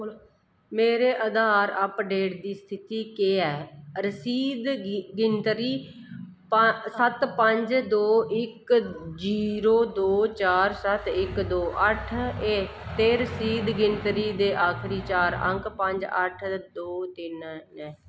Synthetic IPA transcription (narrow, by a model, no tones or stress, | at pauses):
meːɾeːʔəd̪aːɾəpɖeːʈd̪iːst̪ʰɪt̪iːkeːɛːɾəsiːd̪ɡɪnt̪ɾiː | pəsət̪pəɲd͡ʒd̪oːʔɪkd͡ʒiːɾoːd̪oːt͡ʃaːɾsət̪ɪkd̪oːʔəʈʰeːt̪eːɾəsiːd̪ɡɪnt̪ɾiːd̪eːʔaːkʰɾiːt͡ʃaːɾə̰ŋkpəɲd͡ʒə̰ʈʰd̪oːt̪ɪnnɛː